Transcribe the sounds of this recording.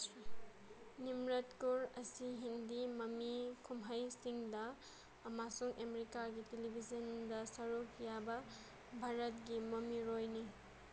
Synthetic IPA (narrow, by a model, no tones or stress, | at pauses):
nimɾɐtkuɾɐsiɦindimɐmikʰumɦɐjsiŋdɐː | masuŋʔemeɾikaɡitelibʱizɐndɐsɐɾukʰjabɐ | bʱaɾɐt̚ɡimɐmiɾojni